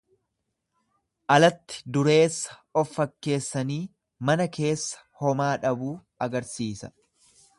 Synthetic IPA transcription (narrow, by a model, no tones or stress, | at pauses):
ʔɐlɐt̪ːɪ̥d̪ʊɾe̞ːsːɐ̥ | ɔfːɐkːe̞ːsːɐniː | mɐnɐke̞ːsːɐ̥hɔmaːᶑɐbuː | ɐɡɐɾsiːsɐ̥